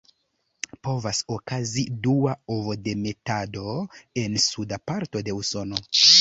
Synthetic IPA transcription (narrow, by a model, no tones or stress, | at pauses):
po̞vasokaziduaovode̞me̞tado̞e̞nsudapaɾto̞de̞uso̞no̞